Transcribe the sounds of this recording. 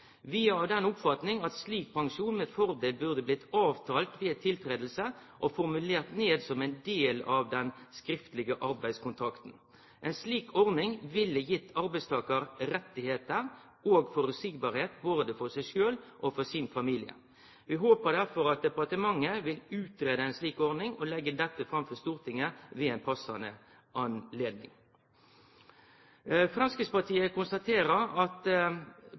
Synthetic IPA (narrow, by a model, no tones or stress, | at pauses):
ʋiːɑɑʋd̪ɛnʊpfɑt̪nɪŋɑt̪sliːk̚pʰɑŋʂuːnmɛfɔʁd̪eːlbʉʁd̪əblɪt̪ʰːɑːʋt̪ʰɑːlt̪ʋiːɑt̪ʰɪlt̪ʰɾeːd̪l̩səʔofɔɾmʉleːʁt̪neːd̪sɔmæɪnd̪eːlɑʋd̪ɛnskɾɪft̪əlɪɡəʔɑɾbæɪskʊnt̪ʰɾɑkt̪n̩ | ʔɛɪnsliːkʰɔʁnɪŋʋɪlːəjɪt̪ʰːɑɾbæɪst̪ʰɑːkəɾɾɛt̪ːɪheːt̪əʁ | oːɡfɔɾʉsɪɡ̚bɑːʁheːt̪̚boːd̪əfɔʁsæɪʂøːlʔofɔsɪnfɑmiːlɪə̰ | ʋɪɦoːpəʁd̪æʁfɔɾɑt̪̚d̪ɛpɑʁt̪əmɑŋːəʋɪlʉːt̪ɾeːd̪əɛɪnsliːkɔɾnɪŋɔlɛɡːəd̪ɛt̪ːəfɾɑmfɔʁst̪uːʁt̪ʰɪŋəʋɪæɪnpʰɑsɑnə | ʔɑnleːd̪nɪ̰ŋ | fɾɑnskəspɑʁt̪ʰiːəkʊnst̪ɑt̪ʰeːɾəɾɑt̪